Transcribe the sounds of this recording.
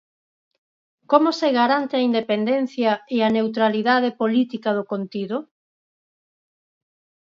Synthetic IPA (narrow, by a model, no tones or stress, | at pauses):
komʊseɣaɾant̪eɐind̪epend̪en̟θjɐeanewt̪̬ɾaliðað̞epolit̪ikɐð̞ʊkont̪iðʊ